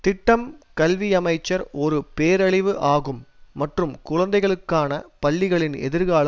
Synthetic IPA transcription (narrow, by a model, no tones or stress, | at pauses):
t̪ɪʈːɐmkɐlʋiɐmɐɪt͡ʃːɐɾɔɾɯpeːɾɐɭɪʋɯʔaːɣɯmːɐʈrɯmkʊɻɐnd̪ɐɪɣɐɭɯkːaːnɐpɐɭːɪɣɐɭɪnɛ̰ðɪɾɣaːɭ